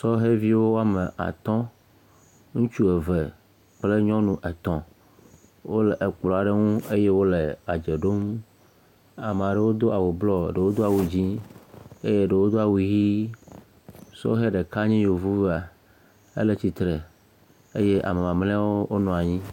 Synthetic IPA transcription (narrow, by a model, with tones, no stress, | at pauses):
sɔ˦ɦe˦vi˦wo˦wo˦a˦me˨ʔa̰˨t̪ɔ̃˦ | ŋũ˦t͡ʃu˦e˨ve˨ | k͡ple˦ɲɔ̃˦nũ˨ʔe˨t̪ɔ̃˨ | wo˦le˨ʔe˨k͡plɔ˨a˨ɖe˦ŋũ˦e˦je˦wo˦le˨a˨d͡ʒe˨ɖo˦m | a˨mẽ˨a˨ɖe˨wo˦d̪o˦ʔa˨wu˨blɔ˦˨ɖe˨wo˦d̪o˦a˨wu˨d͡ʑĩ˦ | e˦je˦ɖe˨wo˦d̪o˦a˨wu˨ji˦ | sɔ̰˦ɦe˦ɖe˨ka˦ɲĩ˦jo˨vu˦ve˦a˨ | ḛ˦le˦t͡ɕi˨t̪ɾe˨ | e˦je˦ʔa̰˨me˨mã˨mlɛ̃˦a˦wo˦o˦nɔ̃˨a˨ɲĩ˦